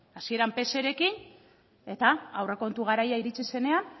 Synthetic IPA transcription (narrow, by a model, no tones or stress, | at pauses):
asie̞ɾampe̞se̞ɾe̞kin | e̞t̪aawreko̞nt̪uɣ̞aɾajaiɾit͡ʃise̞ne̞an